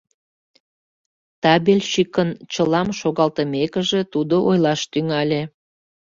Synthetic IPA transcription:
t̪ɑbelʲʃikənt͡ɕəlɑmʃoɣɑlt̪əmekəʒe̽t̪ud̪oʔojlɑʃt̪yŋɑlʲe

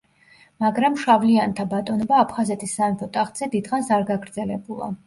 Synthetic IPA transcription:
maɡɾamʃavliant̪ʰabat̪ʼɔnɔbaːpʰχazɛt̪ʼisːamɛpʰɔt̪ʼaχt̪ʼz̥ɛd̪id̪χansaɾɡaɡɾd̪zɛlɛbulˠa̰

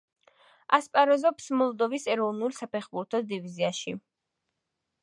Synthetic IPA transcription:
aspʼaɾɔzɔpsmɔlˠd̪ɔvisɛɾɔvnulˠsapʰɛχbuɾt̪ʰɔd̪iviziaʃi

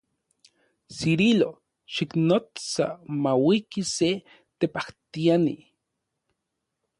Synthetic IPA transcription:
siɾilo | ʃiknot͡sa̰mawikise | t̪epaht̪ianḭ

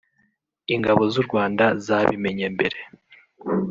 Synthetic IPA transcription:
iŋɡaβo̞zuɾɡwaːndazaːβime̞ɲembe̞ɾe̞

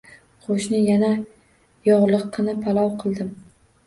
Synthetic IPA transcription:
qʰoʃnɪjana | jɒʁlˠɨqʰːɨnɪpʰalˠɒwqʰɨlˠd̪ɪm

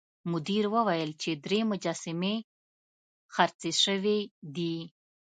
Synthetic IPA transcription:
mʊd̪iɾwəwajəlt͡ʃed̪ɾemʊd͡ʒɑsɪme | xaɾt͡seʃəwed̪i

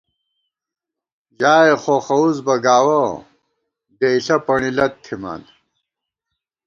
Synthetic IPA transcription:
d͡ʑaːexoxɐuzbɐɡaːwɐ | d̪eiɬɐpɐɳilɐt̪ʰːima̰ːn

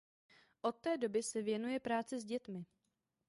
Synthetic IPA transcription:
ʔo̞t̪ːɛːdo̞bɪsɛvjɛnujɛpɾaːt͡sɪzɟɛt̪mɪ

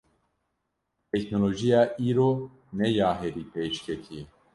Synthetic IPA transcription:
t̪ʰɛkʰnoloːʒijaːʔiːɾoː | nɛjaːɦɛɾiːpʰeːʃkʲʰɛkʰiɛ

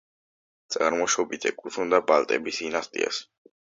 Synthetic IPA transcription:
t̪sʼaɾmɔʃɔbit̪ʰɛkʼuund̪abalˠt̪ʼɛbisd̪inast̪ʼḭa̰s

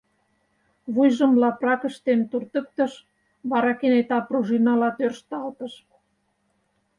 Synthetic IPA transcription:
βujʒə̆mlɑprɑkə̆ʃt̪emt̪urt̪ə̆k̚t̪ə̆ʃ | βɑɾɑkenet̪ɑpruʒinɑlɑt̪ørʃt̪ɑlt̪ə̆ʃ

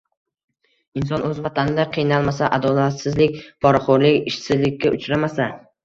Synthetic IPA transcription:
ɪnsɒnɵzvat̪ʰanɪd̪aqʰɨjnalˠmasaʔad̪ɒlat̪sɪzlɪk̚ʲpʰɒɾaχoɾlɪkʲɪʃsɪzlɪkʲːaʔʊt͡ʃɾamasa

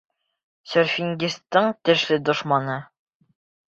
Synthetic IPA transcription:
sɵ̆ɾfʲiŋɡʲist̪ːɤɴt̪ɘ̆ʃlɘd̪ŏʃmɑnɤ

